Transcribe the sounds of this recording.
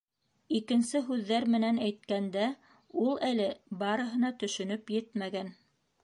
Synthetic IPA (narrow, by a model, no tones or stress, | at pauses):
ikɘ̆nsɘɦʉðːæɾmɘ̆nænæjt̪̚kænd̪æ | ulˠælɘbɑɾɤ̆ɦɤ̆nɑt̪ɵ̆ʃɵ̆nɵpjɘt̪mæɡæn